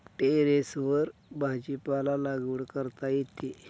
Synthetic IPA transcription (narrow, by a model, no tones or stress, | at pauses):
ʈeɾesʋəɾbʱad͡ʑipalalaɡuɽkəɾt̪ajet̪e